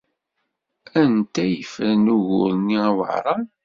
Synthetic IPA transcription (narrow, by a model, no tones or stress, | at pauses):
ænt̪æjəfəɾnuɣʊ̰ɾˤniæwə̰ʕɾˤɑ